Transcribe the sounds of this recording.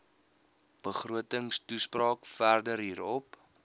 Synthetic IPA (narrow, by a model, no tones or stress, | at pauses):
b̥əχruətəŋstusprɑːkfærdəɾɦiːɾɔp